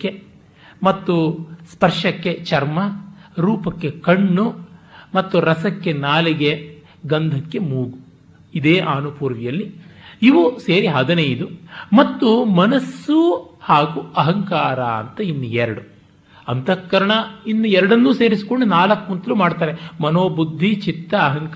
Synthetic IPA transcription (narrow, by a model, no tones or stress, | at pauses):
kːe | mɐt̪ːuspɐɾʂɐkːe̞t͡ʃɐɾmɐɾuːpɐkːe̞kɐɳːumɐt̪ːuɾɐsɐkːe̞naːliɡe̞ | ɡɐnd̪ʱɐkːe̞muːɡu | id̪eːʔaːnupuːɾʋijɐlːiiʋuseːɾiɦɐd̪ɐnɐjd̪umɐt̪ːumɐnɐsːuhaːɡuɐɦɐŋkaːɾaːɐ̰nt̪ɐinːuɛɾɐɽu | ɐnt̪ɐkːɐɾɐɳɐinːuɛɾɐɽɐnːuːseːɾisi̥koɳɖunaːlɐkːunt̪ɐlumaːɽt̪aːɾemɐnoːbud̪ʱːit͡ʃit̪ːɐːɦɐŋk